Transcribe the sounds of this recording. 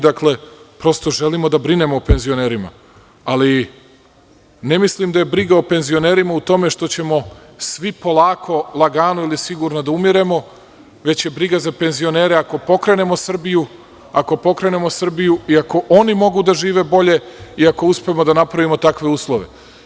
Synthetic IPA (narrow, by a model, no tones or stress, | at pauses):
d̪akle̞pɾo̞st̪o̞ʒe̞limo̞d̪abɾine̞moope̞nzio̞ne̞ːɾima̰ | ali | ne̞mislimd̪aje̞bɾiɡaope̞nzio̞ne̞ːɾimaut̪o̞me̞ʃt̪o̞t͡ɕe̞mo̞ | sʋipo̞lˠaːkʰo̞lˠaɡaːnuilisiɡuɾnod̪aumiɾe̞mo̞ | ʋe̞t͡ɕje̞bɾiɡazape̞nzio̞ne̞ːɾe̞ako̞po̞kɾe̞ne̞mo̞sr̩biju | ako̞po̞kɾe̞ne̞mo̞sr̩bijuiako̞ʔo̞nimo̞ɡud̪aʒiːʋe̞bo̞ʎe̞iako̞uspemo̞d̪anapɾaʋimo̞t̪akʋe̞uːslˠo̞ʋe̞̰